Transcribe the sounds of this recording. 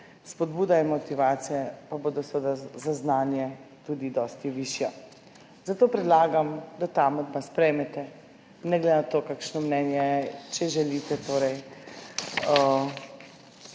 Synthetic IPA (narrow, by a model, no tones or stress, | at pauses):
spɔd̪buːd̪ainmɔt̪iʋaːt̪sijɛpaboːd̪ɔsɛʋəd̪azaznaːnjɛt̪ud̪id̪ɔːst̪iʋiʃjɔ | zat̪oːpɾɛd̪laːɡamd̪at̪amɛd̪maspɾɛjmɛt̪ɛ | nɛɡlɛnat̪oːkakʃnɔmnɛnjɛt͡ʃɛʒɛlit̪ɛt̪oːɾɛj | ə